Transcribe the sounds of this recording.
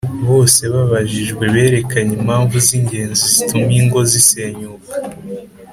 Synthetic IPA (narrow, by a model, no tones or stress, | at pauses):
βo̞ːse̞βaβaʒiʒɡwe̞βe̞ːɾe̞kaɲimhaːɱvuziɲɟe̞ːnzizitʰumiŋɡo̞zise̞ːɲuːkḁ